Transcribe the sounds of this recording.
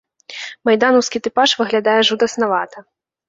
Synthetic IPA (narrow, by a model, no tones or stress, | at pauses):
majd̪anɔwskʲit̪ɨpaʂvɨɣlʲad̪ajɛʐud̪ɐsnavat̪ʰɐ